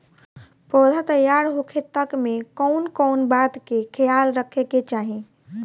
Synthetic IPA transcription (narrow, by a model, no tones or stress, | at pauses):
pɾɔd̪ʱat̪əjaɾɦokʰet̪əkmekɔwnkɔwnbat̪kekʰejalɾəkʰeket͡ʃaɦi